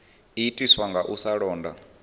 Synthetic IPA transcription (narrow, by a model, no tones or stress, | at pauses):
itʼiswaŋɡaʔusaɺɔːnda̰